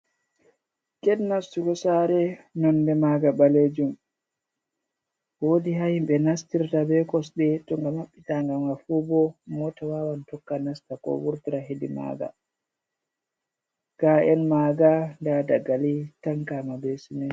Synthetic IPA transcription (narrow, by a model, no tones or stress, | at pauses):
kɛdnastukɔsaɾɛnɔndɛmaɡabaled͡ʒum | wodiɦahimbɛnastiɾtabɛkɔsɓɛtɔŋɡamaɓːitaŋɡamɡafubɔmɔtawaːwantɔkːanastakɔ̰wuɾtiɾaɦedima̰ːɡa̰ | ɡ̥aɛnmaɡandadaɡalitaŋkaːmabɛsunin